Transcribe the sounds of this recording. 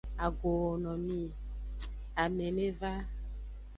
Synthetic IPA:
a˨ɡo˨wo˨nɔ̃˨mĩ˦ | a˨mẽ˨nẽ˦va˦

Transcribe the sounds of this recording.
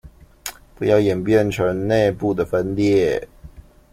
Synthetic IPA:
pu˨˧˥jɑ˥˩ʊjɛ˨˩npjɛ˥˨nʈ͡ʂʰɤ˧˦ŋne˥˧ɪpu˥˩d̪ə˩fə˦nljɛ˥˨˩

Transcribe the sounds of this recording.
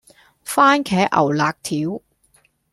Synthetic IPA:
faː˥nkʰɛː˨˥ʔɐ̰˨˩wlaː˨˧k̚t̪ʰiː˨˥w

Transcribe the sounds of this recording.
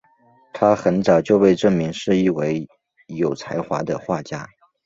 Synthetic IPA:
t̪ʰa˥xə˧˥nt͡sɑ˨˩ʊt͡ɕjo˥˧ʊpe˥˧ɪʈ͡ʂɤ˥˩ŋmi˧˥ŋʂɻ̩˥˧i˥˩we˧˥ɪ | jo˨˩ʊt͡sʰa˧˥ɪxwa˧˥d̪ə˧xwa˥˩t͡ɕja˥

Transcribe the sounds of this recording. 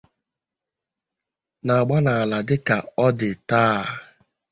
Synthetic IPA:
na˨a˨ɡ͡ba˦na˨a˨la˨dɪ˦ka˨ɔ˦dɪ˨taː˦˨

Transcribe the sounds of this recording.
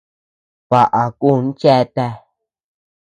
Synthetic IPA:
βa˨ʔa˨ku˦˨˧n˦t͡ʃe˦˧t̪e˦˧

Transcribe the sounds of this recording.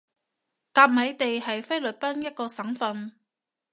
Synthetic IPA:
kaː˧p̚mɐ˨˥jt̪e˨jhɐ˨jfe˥jlɵ˨˩t̚pɐ˥njɐ˥t̚kɔː˧sɐ˨˥ŋfɐ˨˧n

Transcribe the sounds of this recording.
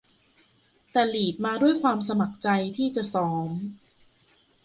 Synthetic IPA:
t̪ɛː˨˩liː˨˩t̪̚maː˧du˥˩əjkʰwaː˧ms̬a˧ma˨˩k̚t͡ɕa˧jt̪ʰiː˥˩t͡ɕa˨˩ʔsɔː˩˦m

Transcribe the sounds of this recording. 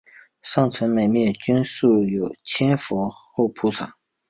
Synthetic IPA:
ʂɑ˥˩ŋt͡sʰwə˧˥nme˨˩ɪmjɛ˥˩nt͡ɕy˥nsu˥˩jo˨˩ʊt͡ɕʰɛ˥nfɔ˧˥xo˥˩ʊpʰu˥t͡sʰɑ˨˩˦ŋ

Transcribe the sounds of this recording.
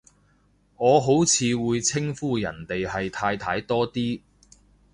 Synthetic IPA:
ŋɔː˨˧ɦo˨˥wt͡sʰiː˨˧wuː˨˧jt͡sʰɪ˥ŋfuː˥jɐ̰˨˩nt̪e˨jhɐ˨jt̪ʰaː˧jt̪ʰaː˧jt̪ɔː˥t̪iː˥

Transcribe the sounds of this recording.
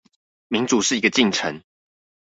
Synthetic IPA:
mi˨˦ŋt͡su˨˩ʂɻ̩˥˩i˧˦ɡə˧t͡ɕi˥˨ŋʈ͡ʂʰə˧˦ŋ

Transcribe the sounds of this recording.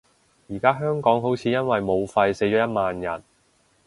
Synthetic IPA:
jiː˨˩kaː˥ɦœː˥ŋkɔː˨˥ŋɦo˨˥wt͡sʰiː˨˧jɐ˥nwɐ˨jmo˨˧wfɐ˧jse˨˥jt͡ʃɔː˨˥jɐ˥t̚maː˨njɐ̰˨˩n

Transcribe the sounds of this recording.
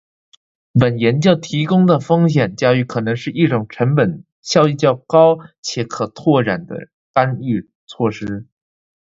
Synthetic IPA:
pə˨˩njɛ˧˥nt͡ɕjɑ˥˩ʊt̪ʰi˧˥kʊ˥ŋd̪ə˨fɤ˥ŋɕjɛ˨˩nt͡ɕjɑ˥ʊy˧˥kʰɤ˨˩nɤ˧˥ŋʂɻ̩˥˧i˥˩ʈ͡ʂʊ˨˩ŋʈ͡ʂʰə˧˥ŋpə˨˩˦n | ɕjɑ˥˧ʊi˥˧t͡ɕjɑ˥˩ʊkɑ˥ʊt͡ɕʰjɛ˧˩kʰɤ˨˩t̪ʰwɔ˥˩ɻa˨˩nd̪ə̰˦ | ka˥ny˥˧ | t͡sʰwɔ˥˩ʂɻ̩˥

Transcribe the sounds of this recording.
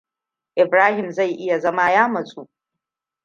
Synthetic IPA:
ʔɪ˨bɾaː˦hɪ˨mza˦˨jʔɪ˦ja˨zɐ˦ma˦jaː˦mɐ˨sʼuː˦ʔ

